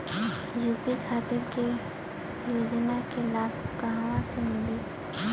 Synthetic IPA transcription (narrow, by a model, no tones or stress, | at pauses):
juːpixʰaːt̪ɪɾke | joːd͡ʒnakelaːʈʰkaɦawãsemɪli